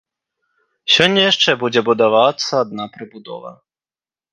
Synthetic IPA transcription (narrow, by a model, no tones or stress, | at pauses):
sʲɔnʲːɐjaʂt͡ʂɛbud͡zʲɛbud̪avat̪sːɐːd̪̚napɾɨbud̪ɔ̰vɐ̰